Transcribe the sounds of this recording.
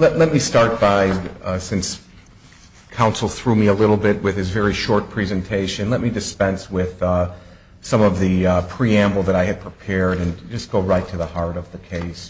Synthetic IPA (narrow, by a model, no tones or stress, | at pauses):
lɛtlɛt̚mistɑɹt̚b̥aɪsɪ̃ns | kʰãʊ̃nsl̩ˠθɹʉmiəlɪɾl̩ˠbɪt̚wɨð̥ɨzvɛɹiʃɔɹt̚pʰɹ̥ɛzɨ̃ntʰeɪʃɨ̃nlɛt̚midɨspɛ̃nswɪð̥ | sʌ̃mʌvðɨpʰɹ̥iæ̃mbl̩ˠðɨɾaɪɨd̚pʰɹ̥ipʰɛɹɾɨ̃nd͡ʒʌsɡ̥oʊɹaɪtʰɨðəhɑɹɾʌvðɨkʰeɪs